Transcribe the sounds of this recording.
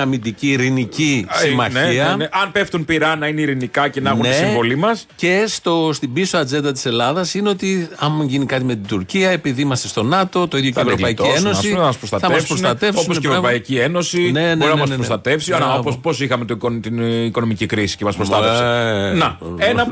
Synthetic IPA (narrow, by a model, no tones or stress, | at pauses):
ɐmind̪iciːɾinicisimɐçniɐneɐnpe̞ft̪unpiɾɐnɐineiɾinikɐcenɐɣnuneivo̞limɐsce̞st̪o̞st̪ibisoɐd͡ze̞nd̪ɐt̪i̥se̞lɐðɐsineo̞t̪iɐmʝinikɐt̪ime̞t̪id̪uɾciɐe̞piðiimɐst̪est̪o̞nɐt̪o̞t̪o̞iðjocevɾopɐicieno̞siɐmɐspɾost̪ɐtɐmɐspsɾot̪ɐt̪e̞fsooseɾopɐicieno̞sine̞nɾnɐɐmɐseɾost̪ɐt̪e̞fsiɐopospo̞sixɐme̞t̪okot̪iniko̞nomicikɾisi̥cemɐspɾost̪ɐsnɐenɐ